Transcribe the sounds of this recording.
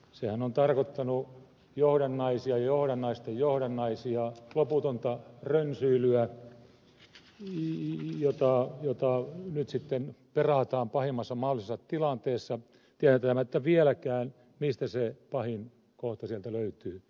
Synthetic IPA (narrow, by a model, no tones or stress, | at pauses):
sehænont̪ɑrkot̪ːɑnu | johɾɑnːɑisiɑjɑjohɾɑnːɑist̪ejjohɾɑnːɑisiɑloput̪ont̪ɑrønsyilyæ | jot̪ɑˑjot̪ɑnyt̪sit̪ːenperɑˑt̪ɑːmpɑhimːɑsːɑmɑholˑisesːɑt̪ilɑnt̪eːsːɑ | t̪iææt̪ːææmæt̪ːæʋiɛlækæːn | mist̪æsepɑhin | koht̪ɑsiælt̪æløyt̪yː